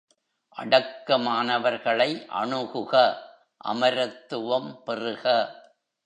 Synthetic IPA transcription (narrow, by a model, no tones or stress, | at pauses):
ʔɐɽɐkːɐmaːnɐʋɐɾɣɐɭɐɪʔɐ̰ɳɯɣɯɣɐ | ʔɐ̰mɐɾɐt̪ːɯʋɐmpɛrɯɣɐ